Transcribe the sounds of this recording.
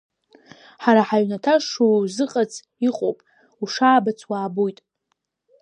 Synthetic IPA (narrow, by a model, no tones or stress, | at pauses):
ħaɾaħaɥnatʰaʂuzɨqʼat͡sʰ | iqʼo̰wpʼ | uʂaːbat͡sʰwaːbojtʼ